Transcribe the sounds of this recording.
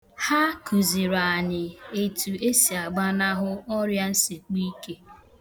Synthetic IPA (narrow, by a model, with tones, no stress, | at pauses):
ha˦ku˨zi˨ɾa˨ɲɪ˨e˨tu˨e˦si˨a˨ɡ͡ba˦na˦ɦʊ˦ɔ˦ɾja˦n̩˦si˨k͡pi˦ke˦